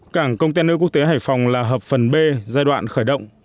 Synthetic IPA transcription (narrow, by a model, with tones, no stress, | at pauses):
kaː˧˩ŋkə˧wŋ͡mt̪̬a˧nɨ̰˧˥ku˦˥ək̚t̪e˨˦ɦaː˧˩jfɔ˨˩wŋ͡mlaː˨˩ɦəː˨˩p̚fə˨˩nɓe˧zaː˧jɗwa̰ː˧˨nxəː˧˩jɗə̰˧˨wŋ͡m